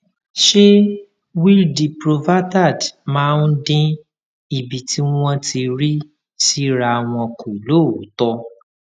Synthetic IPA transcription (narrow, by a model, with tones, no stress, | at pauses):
ʃe˦ | wi˦ldi˨pɾo˨va˦ta˦˨dmãː˦˧n̩˦dĩ˧ | i˨bi˨ti˦wɔ̃˦˧ti˧ɾi˦ | si˦ɾa˧w̃ɔ̃˧ku˨lo˦˨˦tɔ˧